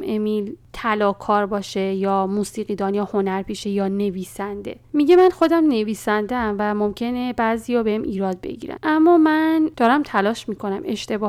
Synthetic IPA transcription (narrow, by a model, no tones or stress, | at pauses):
ʔe̞miːlt̪ʰælɒːkʰɒːɾbɒːʃejɒːmuːsiːɣid̪ɒːnjɒːho̞næɾpʰiʃejɒːne̞viːsænd̪e̞̰ | miɟemænxo̞d̪æmne̞viːsænd̪eæmvæmo̞mcʰe̞nebæːzijɒːbehemʔiːɾɒːd̪̚be̞̰ɟḭːɾæ̰nʔæmːɒːmænd̪̥ɒːɾæmt̪ʰælɒːʃmiːkʰo̞næmʔe̞ʃt̪e̞bɒː